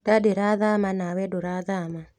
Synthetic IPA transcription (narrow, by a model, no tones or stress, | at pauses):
dadeɾaðamanawɛdʊɾaðama